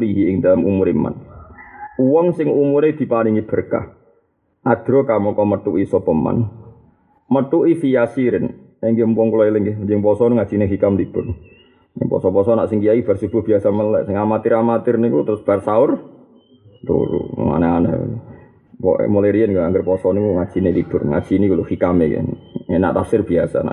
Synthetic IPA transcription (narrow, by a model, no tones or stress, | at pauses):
liɦiɪŋdalamumʊɾima̰n | uwɔŋsɪŋumʊɾed̪̥i̤paniŋib̥ərka̰ | ʔaɡ̥ɾokamɔkɔmət̪uʔisɔpəma̰n | mət̪uʔifijasiɾɪn | eŋɡimpɔŋkulailəŋɡd͡ʒəŋpɔsɔnuŋḁd͡ʒ̥inɛɦikamd̪ib̥ʊn̰ | pɔ̰sɔpɔsɔna̰ʔsiŋkiaib̥arsub̥ʊhb̥iasaməlɛ̰ʔsəŋamat̪ɪɾamat̪ɪrnikut̪ɾʊsb̥arsaʊr | t̪ṵɾṵma̰naanə̰ | pɔ̰muleɾiənɡɔaŋɡərpɔsɔnikuŋat͡ʃinelib̥ʊrŋa̰t͡ʃinikuluhikamḛkɛ̰nena̰ʔt̪afsɪrb̥iasa̰na̰